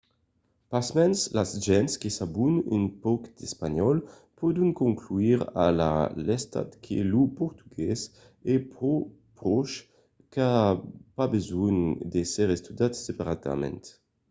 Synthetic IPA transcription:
pasmɛnslazʒɛnskesabuny̰npɔkd̪̥espaɲɔl | pɔd̪uŋkoŋkluiʁa̰la̰lɛst̪a̰t̪kʰḛlupɔʁt̪uɡɛs | ɛpʁo | pɾɔʃ | kapabezund̪esɛʁest̪yd̪at̪sepaʁat̪a̰mɛ̰nt̪

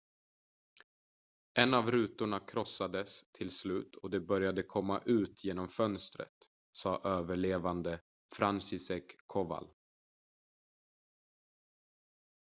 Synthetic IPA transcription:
ʔɛnːavɾʉ̟ːt̪ʊɳakʰɾɔsːad̪əst̪ʰɪlslʉ̟ːt̪ʰɔd̪ɛbœɾjad̪əkʰɔmːa̰ʔʉ̟ːt̪ʰjeːnɔmfœnst̪ɾə̰t̪ | sɑːʔøːvəɭeːvand̪ə | fɾansɪsɛkʰːɔva̰l

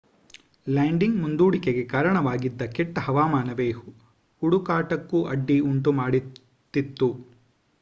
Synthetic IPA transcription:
laːɳɖiŋɡmund̪uːɽikeɡekaːɾɐɳɐʋaːɡid̪ːɐkɛʈːɐhɐʋaːmaːnɐbeːhu | huɽukaːʈɐkːuʔɐɖːiuɳʈumaːɽi | t̪ːit̪ːu

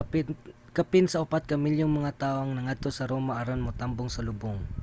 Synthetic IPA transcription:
p | kɐpɪnsɐʔʊpat̪̚kɐmiljoŋmɐŋat̪aːʔoɐŋnɐŋad̪̚t̪o̞sɐɾo̞ːmɐʔɐɾonmot̪amboŋsɐlʊboŋ

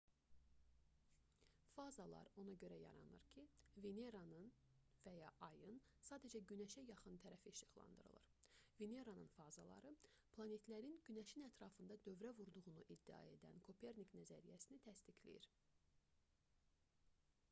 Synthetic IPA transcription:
fɑzɑlˠɑ̰ɾo̞nɑɟø̞ɾæjɑ̰ɾɑ̰nɯ̰ɾcʰiveneɾanɯn | væjɑʔɑjɯn | sɑːd̪æd͡ʒæɟynæʃæjɑχɯnt̪ʰæɾæfiːʃɯɣlˠɑ̰nd̪ɯ̰ɾɯ̰lˠɯ̰ɾveneɾanɯnfɑzɑlˠɑ̰ɾɯ | pʰlˠɑne̞t̪ʰlæɾinɟynæʃinæt̪ʰɾɑfɯnd̪ɑd̪ø̞vɾævuɾd̪uɣunuʔid̪ːiɑ̰e̞d̪æ̰nkʰo̞pʰeɾniknæzæɾijæsinit̪ʰæst̪icʰlḭjḭɾ

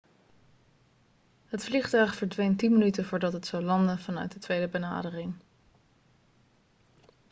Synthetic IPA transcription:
ɦətfliχtœɥχfəɹdʋejntinmənytəvʊːɹdɑtɦətsowlɑndənvɑnœ̰ɥt̚dətʋejdəbəna̰ːdərɪŋ

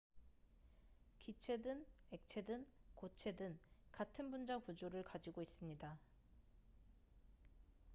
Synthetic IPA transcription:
kit͡ɕʰe̞dɯne̞k̚t͡ɕʰe̞dɯnkot͡ɕʰe̞dɯnkatʰɯnbund͡ʑakud͡ʑoɾɯɭkad͡ʑiɡois͈ɯmɲida

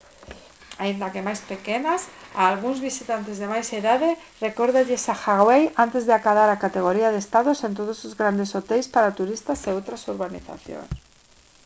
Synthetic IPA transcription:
aind̪akemajspekenasaːlɣ̞uŋzβisit̪ant̪ezðemajseðaðe | rekoɾðaʎesaxaɣwejant̪e̞zðeakaðaɾakat̪eɣ̞oɾiað̞est̪aðosent̪̬oð̞osuzɣɾand̪esot̪ejspaɾat̪uɾist̪aseot̪ɾasuɾβanḭθa̰θjo̰ŋs

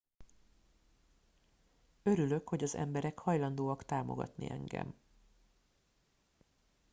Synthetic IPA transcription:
øɾylø̞kho̞ɟɒzɛ̰mbɛɾɛkhɒjlɒnd̪oːɒkt̪aːmo̞̰ɡɒ̰t̪nḭʔɛŋɡɛ̰m

